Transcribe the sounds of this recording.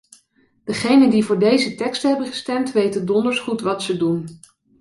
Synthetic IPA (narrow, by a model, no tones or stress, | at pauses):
d̥əχejnəndivʊːɹdejzətɛkstəɦɛbənχə̥stɛmtʋejtəndɔndəɹsχutʋɑtsədun